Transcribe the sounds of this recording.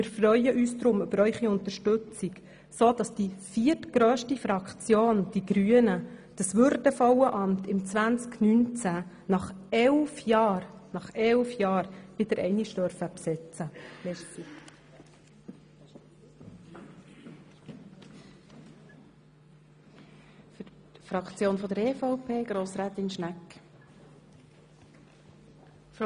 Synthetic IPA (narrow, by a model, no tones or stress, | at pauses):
mɪːɾfrœʏəʔyːsd̪ɾʊmʉbəɾœʏχiʊnt̪əʃtɵt͡sik | soːd̥ɑsd̥ifiətɡɾøːʃtifɾɑkt͡sjoːnd̥iɡɾyənəd̥ɑsʋʉɾdəfɔwəʔɑmtɪmt͡sʋænt͡sknynt͡sæ | nɑχɛlfjɑːɾnɑχɛlfjɑːɾʋɪd̥əɾɛ̰jniʃdœɾfəpsɛt͡səlɛi | f | tfɾɑkt͡sjoːnfɔd̪əɾeːfɔʊpʰeːɡ̥ɾoːsɾaːt̪ɪnʃnæk